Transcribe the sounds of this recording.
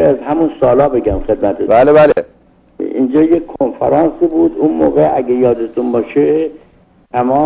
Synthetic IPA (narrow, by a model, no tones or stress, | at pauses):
eæzɦæmunsɒːlɒːbe̞ɡæmxe̞d̪mæt̪ʰebaːlebale | ḭnd͡ʒɒːjekkʰːonfæɾɒːnsiːbuːd̪unmo̰ːɣeʔæɡejɒːd̪et̪ʰunbɒːʃe | t̪ʰæmɒː